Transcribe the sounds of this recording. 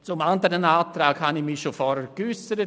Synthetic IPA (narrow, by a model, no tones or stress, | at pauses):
t͡sʊmandəɾənaːt̪ɾaːkhanɪçmiʃofɔɾəɾkysəɾə